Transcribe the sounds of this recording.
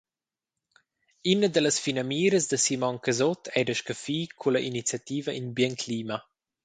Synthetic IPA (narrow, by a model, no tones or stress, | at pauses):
inəd̪ələsfinɐmiːɾəsd̪əsimɔŋkəzɔt̪ʰɛdəʃkəfiːkʰulɐʔinit͡sjat̪iːvəʔinbjɛnkʰliːma